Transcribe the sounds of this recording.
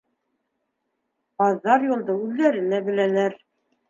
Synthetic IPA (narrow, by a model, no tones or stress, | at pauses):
qɑðːɑɾjulˠd̪ɤʉðːæɾɘnæbɘ̆lænæɾ